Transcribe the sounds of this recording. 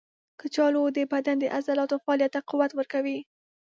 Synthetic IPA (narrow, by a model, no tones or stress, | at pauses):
kət͡ʃɑlod̪əbad̪and̪əʔazalɑt̪ofaɑlijat̪ːaquwat̪wəɾkawi